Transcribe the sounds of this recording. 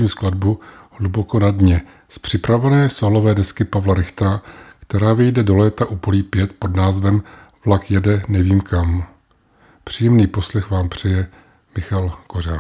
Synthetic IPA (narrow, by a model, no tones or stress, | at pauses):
iːmsklad̚buhluboko̞nadɲɛ | spr̝̥ɪpɾavɛnɛːsolo̞vɛːdɛskɪpavlaɾɪxt̪ɾakt̪ɛɾaːvɪjdɛdo̞lɛːt̪aʔupoliːpjɛt̪po̞dnaːzvɛm | vlakjɛdɛnɛviːmkam | pr̝̥iːjɛmniːpo̞slɛxvaːmpr̝̥ɛjɛ | mɪxalkoraː